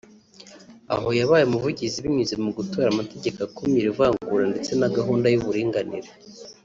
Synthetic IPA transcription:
a̰ɦo̞jaβaːjemuvuɟiziβiɲuzemuɡuto̞ɾamate̞ɟe̞kakomiɾivaːŋɡuɾande̞t͡se̞naɡaɦuːndajuβuɾiːŋɡanḭɾe

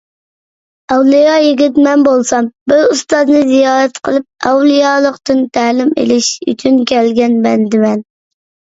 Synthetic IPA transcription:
ɛwlˠijɑjiɡʲit̪mɛnbolˠsɑmbuust̪ɑznɨzijɑːɾɛt̪qʰəlˠɨp̚ɛ̰wlˠijɑlˠəqt̪ɨnt̪ʰæːlɪmḛlɪʃy̰t͡ʃʰynkʲʰɛlɡʲɛnbɛnd̪ɪmɛn

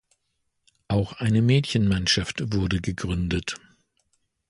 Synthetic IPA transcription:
ʔaʊxʔaɪnəmɛːtçənmanʃaftv̥ʊɐdəɡəɡʁʏndət

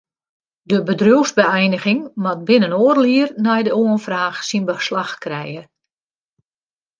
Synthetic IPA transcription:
dəbədruəzbəɛjnəɣɪŋmɔt̚bɪnənoːərliərnɛjdəoənfraːxsinbəslaxkrɛjə

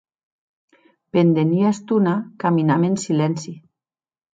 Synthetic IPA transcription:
pend̪eniast̪unakaminamensilɛnsi

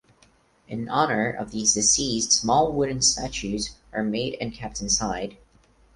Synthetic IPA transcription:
ʔɨ̃nɑnə˞ʔʌ̰vðizdɨsistsmɔlˠwʊdⁿn̩stæt͡ʃʉzʔə˞meɪɾɨ̰̃nkʰɛp̚tɨ̃n̩saɪd̥

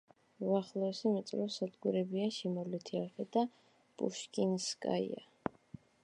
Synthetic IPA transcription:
uaχlˠɔɛsimit̪sʼlɛsad̪ɡuɾɛbiaʃimɔlit̪ʰiavɛd̪a | pʼṵʃkʼinskʼa̰ḭa̰

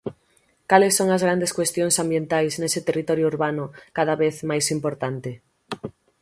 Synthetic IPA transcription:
kalesːoŋazɣɾand̪eskwest̪jõŋsambjent̪ajznesɪt̪erit̪ɔɾjʊuɾβanʊkaðaβeθmajsimpoɾt̪ant̪e

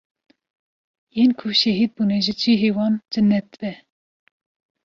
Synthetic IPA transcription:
jenkʰuʃɛɦid̪̚buːnɛʒid͡ʒiɦewɑnd͡ʒɨnɛt̪̚bɛ

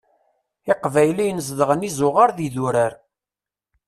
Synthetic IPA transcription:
ɪqvæjlijnəz̬ðəʁənizˤʊʁaɾðiðuɾəɾ

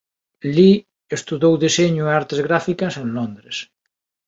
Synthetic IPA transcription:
li | est̪uðowðiseɲʊaɾt̪ezɣɾafikasẽnlond̪ɾes

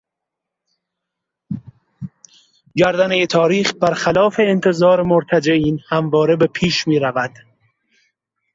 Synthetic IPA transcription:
ɟæɾd̪ænejet̪ʰɒːɾiːχbæɾχælɒːfe̞ːnt̪ʰe̞zɒːɾemoɾt̪ʰæd͡ʒeʔiːnhæmvɒːɾe̞be̞pʰiːʃmiːɾævæd̪̥

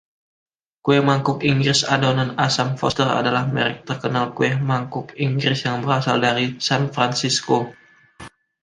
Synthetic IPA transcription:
kuɛhmaŋkʊkiŋɡɾɪsadonanasamfɔ̰st̪əra̰dalahmɛ̰ɾɪk̚t̪ərkənalkuɛhmaŋkʊkiŋɡɾɪsjaŋbəɾasa̰ldaɾisanfɾansisko

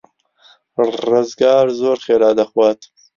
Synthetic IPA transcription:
ɾozɡɑːɾzoːɾxeːɾɑːd̪axwɑːt̪

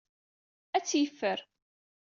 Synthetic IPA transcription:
æt͡sːjəfːəɾ

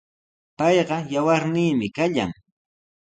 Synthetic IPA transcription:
pɑjɢɑjawaɾniːmɪkaʎa̰ŋ

